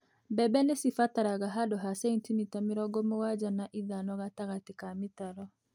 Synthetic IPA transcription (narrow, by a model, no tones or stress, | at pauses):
bɛbɛnesifataɾaɣaɦadɔɦasɛintinitamiɾɔɡɔmowad͡ʒanaʔiðanɔɣataɣatikamɪtaɾɔ